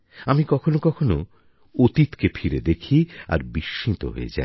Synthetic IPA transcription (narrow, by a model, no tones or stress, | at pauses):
amikɔkʰonokɔkʰono̰ | ot̪it̪kefʰiɾed̪ekʰia̰ɾbiʃint̪o̰ɦo̰ḛd͡ʑa̰e